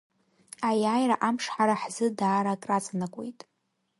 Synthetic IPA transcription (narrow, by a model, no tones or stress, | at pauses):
ajaːjraʔamʂħaɾaħzɨdaːɾakʼrat͡sʼanakʷʼojtʼ